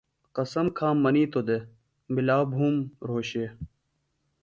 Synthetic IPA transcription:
qɐsɐmkʰãːmːɐniːt̪od̪e | bilaːbʱuːmɾoːɕeː

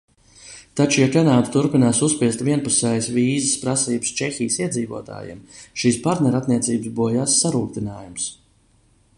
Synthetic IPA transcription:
t̪at͡ʃujakanaːd̪t̪uɾpinaːsuspiɛst̪viɛnpusɛjsviːzəspɾasiːbəst͡ʃexijsiɛd̪ziːvuɔt̪a̰ːjḭmʃiːspaɾt̪nɛɾat̪niɛt̪siːbəsbuɔjaːsːaɾuːkt̪inaːjums

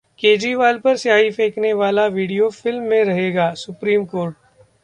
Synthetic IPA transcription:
keːd͡ʒɾiʋaːlpɐɾsjaːɦifeːkneʋaːlaʋiːɽijofɪlmːẽɾɐɦeːɡaːsʊpɾiːmkoːɾʈ̚

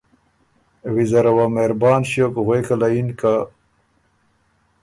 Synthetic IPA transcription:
wizɐɾɐwameɾbaːnɕjokɣwejkalainka

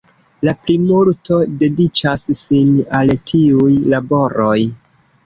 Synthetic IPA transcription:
laplimultʰo̞de̞dit͡ʃasːinaltʰiujlabo̞ɾo̞j

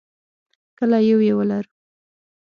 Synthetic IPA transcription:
kəlajawjewəlaɾu

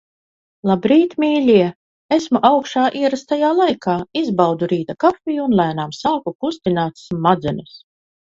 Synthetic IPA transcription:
lˠabɾiːt̪mʲiːlʲiɛ | esmuʔawkʃaːʔiɛɾast̪ajaːlˠajkʰaːizbawd̪uɾiːt̪akafʲijuunlˠæːnaːmsaːkukust̪inaːt̪smad̪zɛnus

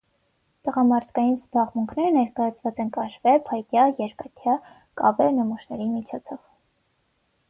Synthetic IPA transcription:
t̪əʁɑmɑɾt̪ʰkɑjinzbɑʁmuŋkʰnɛɾənɛɾkɑjɑt͡sʰvɑt͡sɛnkɑʃvɛpʰɑjt̪jɑjɛɾkɑt̪ʰjɑ | kɑ̰vɛɾnəmuʃnɛɾimit͡ʃʰɔt͡sʰɔv̥

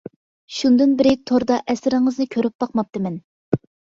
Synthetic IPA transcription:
ʃund̪ɨnbɪɾɪt̪ʰoɾd̪ɑʔɛsɪɾɪŋəznɨkʲʰøɾyp̚b̥ɑq̚mɑp̚t̪ɨmɛn

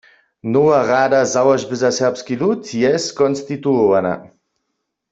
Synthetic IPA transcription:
nɔwaʁad̪azawaʒbɘzasɛʁpskilut̪jɛstkɔnst̪it̪uɔvana̰

